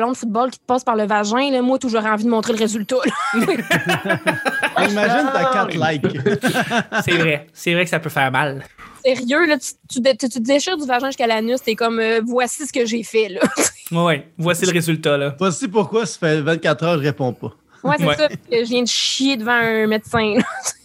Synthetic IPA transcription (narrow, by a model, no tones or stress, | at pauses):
lɔ̃d̪ə̥fut̪̚bɑlkʲi̥t̪əpɑːspaʁləvaʒɛ̃lɔmwat̪uʒɔʁɛɑ̃vid̪əmɔ̃t̪χeləʁezylt̪ʌlɔɛ | imaʒɪnt̪atkat̪lajk | sɛvʁɛsɛvʁɛkə̥sapøfɛːʁmalsɛʁjølʌt̪y̥t̪yd̪t̪t̪yd̪eʃɪːʁd̪yvaʒɛ̃ʒɨ̥skalanʏst̪ɛkɔmøvwasisə̥kəʒefɛlɔswɛwɛvwasiləʁezylt̪alʌtwasip̬ʊʁkwasḁfɛvɛ̃t̪̚kʲat̪χʁœːʁʒəʁepɔ̃pɔ | wɛsɛwɛsʌpaəʒəvjɛ̃d̪əʃjed̪əvɑ̃ə̃med̪sɛ̃ləs